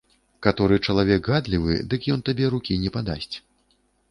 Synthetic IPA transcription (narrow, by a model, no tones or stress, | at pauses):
kat̪ɔɾɨt͡ʂɐlˠavʲɛkɣad̪lʲivɨ̰d̪ɨkjɔnt̪abʲɛɾukʲinʲɛpad̪a̰sʲt͡sʲ